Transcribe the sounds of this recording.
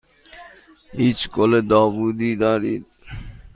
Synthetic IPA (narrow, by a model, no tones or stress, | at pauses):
it͡ʃkoled̪ɔbud̪id̪aɾit̪